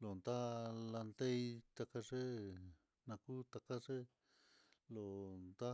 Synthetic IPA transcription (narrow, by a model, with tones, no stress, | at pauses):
lo˨nd̪a˦la˧nd̪e˦i˧t̪a˧ka˦ʐe˦ | nã˧ku˦t̪a˧ka˦ʐe˦ | lo˨nd̪a˦